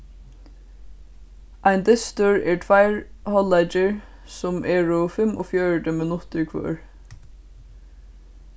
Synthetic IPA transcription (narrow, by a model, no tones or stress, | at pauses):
ʔajnd̪ɪst̪ʊɹɛɹtʰvajɹhɔlat͡ʃɪɹ | sʊmʔɛːɹʊfɪmʔɔ̰fjœɹʈəmɪnʊt̪ɪɹkʰʋœ̰ːɹ